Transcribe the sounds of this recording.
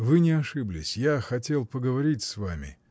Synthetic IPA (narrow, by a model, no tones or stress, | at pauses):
vɨnʲɪɐʂɨblʲɪsʲjaxɐtʲe̞lˠpəɡəvɐɾʲitʲsvamʲɪ̰